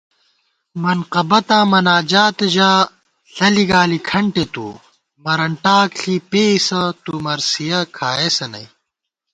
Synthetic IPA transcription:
mɐnqɐbɐt̪ãːmɐnaːd͡ʑaːt̪ɐʑaː | ɬɐliɡaːlikʰɐɳʈet̪ṵː | mɐɾɐɳʈaːkɬipeːisɐt̪umɐɾsijɐkʰaːesɐnɐ̰j

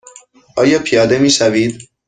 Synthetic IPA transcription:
ʔɒːjɒːpʰijɒːd̪e̞miːʃæviːd̪

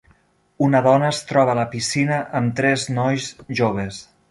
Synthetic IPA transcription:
unəðɔnəːst̪ɾɔβələpisinəʔəmt̪ɾɛznɔjzʒoβ̞es

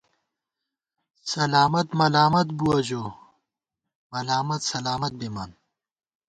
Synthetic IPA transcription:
sɐlaːmɐt̪mɐlaːmɐt̪̚buɐd͡ʑoː | mɐlaːmɐt̪sɐlaːmɐt̪̚bimaːn

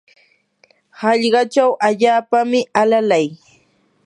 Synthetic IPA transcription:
hɑʎɢɑt͡ʃawʔaʎaːpamɪalalaj

